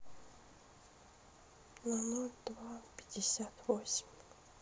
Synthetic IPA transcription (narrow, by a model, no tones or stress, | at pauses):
nanolʲd̪̥vapʲi̥dʲisʲat̪vosʲi̥mʲ